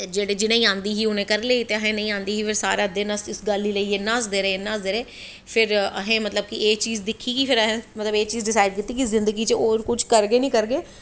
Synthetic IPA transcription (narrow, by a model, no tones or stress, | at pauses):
d͡ʒeːɽeːd͡ʒɪnẽːĩːãːnd̪iːɦiːʊnẽːkəɾleːiːt̪eːəɦẽːnəĩːãːnd̪iːɦiːpʰɪɾsaːɾed̪eːnəsɪsɡəlːiːləiːeːnãːsd̪eːɾeːnãːsd̪eːɾeː | pʰɪɾəɦẽːmət̪ləb̚kiʔeːt͡ʃiːzd̪ɪkʰːiːɡiːpʰɪɾəɦẽːmət̪ləbeːt͡ʃiːzɖɪsaːɪɖ̚kit̪ːiːkizɪ̃nd̪əɡiːt͡ʃeoːɾkʊt͡ʃʰkəɾɡeːnĩːkəɾɡeː